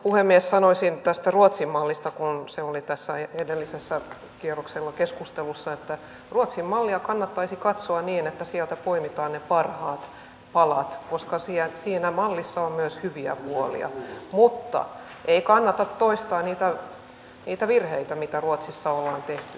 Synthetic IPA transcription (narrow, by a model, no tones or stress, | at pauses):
puhemːiessɑnoisint̪æst̪æruot̪simmɑlːist̪ɑkunseolit̪æsːæeedelːisesːæ | kierokselːɑkeskust̪elusːɑet̪ːæ | ruot̪simmɑlːiɑkɑnːɑt̪ːɑisikɑt̪soɑniːnet̪ːæsiɛlt̪æpoimit̪ɑːnnepɑrhɑːt̪ | pɑlɑt̪koskɑsiːæsiːnæmɑlːisːɑommyøshyʋiæ̰puolḭɑ̰mut̪ːɑ̰ | ʔeikɑnːɑt̪ɑt̪toist̪ɑːniːt̪æ | niːt̪æʋirheit̪æmit̪æruot̪sisːɑolːɑːnt̪eht̪y̥